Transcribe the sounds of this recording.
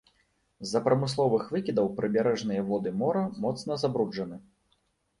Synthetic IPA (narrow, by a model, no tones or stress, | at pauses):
zːɐpɾɐmɨs̬lˠɔvɨxvɨkʲid̪ɐwpɾɨbʲaɾɛʐn̪ɨjɐvɔd̪ɨmɔɾɐmɔt̪snɐzabɾud͡ʐɐnɨ